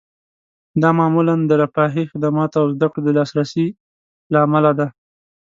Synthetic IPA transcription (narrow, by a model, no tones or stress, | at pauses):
d̪ɑmɑmuland̪əɾafɑɦixɪd̪amɑt̪awzd̪akɽod̪əlɑsɾasi | laːmalad̪a